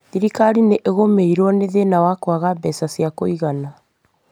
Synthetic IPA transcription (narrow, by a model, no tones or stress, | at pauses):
ðiɾikaɾineʔeɣomeiɾwɔneðenawakwaɣabɛsasiakoiɣana